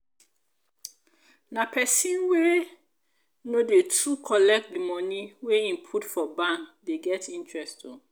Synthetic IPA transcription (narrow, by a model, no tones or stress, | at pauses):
nãpʰɛsĩnwe | nõdetʰukʰɔlɛk̚tdimɔ̃nĩweĩmpʰutfɔbãndeɡɛtʰĩntʰɹɛstõ